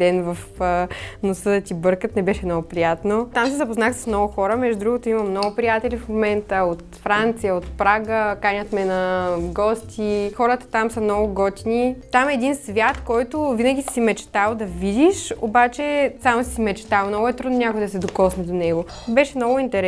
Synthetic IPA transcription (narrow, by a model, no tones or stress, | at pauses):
d̪ɛnvɐf | nosəd̪ət̪ibɤɾkət̪nɛbɛʃɛmnɔɡʊpɾijat̪not̪amsɛzɐpoznaxsə̥smnɔɡʊxɔɾəmɛʒd̪ud̪ɾuɡʊt̪oimɐmnɔɡʊpɾijat̪ɛlʲifmomɛnt̪əot̪fɾant̪sijəot̪pɾaɡəkanʲət̪mɛnɐɡɔst̪ʲʰixɔɾət̪ə̥t̪amsɐmnɔɡʊɡɔt̪ʲinit̪amɛːd̪insvʲjat̪kɔjt̪ʊvinəɡʲisi̥simɛt͡ʃɛ̥t̪alˠd̪ɐvid̪ʲiʃo̰bat͡ʃɛsamsisimɛt͡ʃt̪alˠmnɔɡʊɛt̪ɾud̪nonʲakojd̪ɐsɛd̪okɔsnɛd̪onɛɡo | bɛʃɛmnɔɡʊint̪ɛɾɛ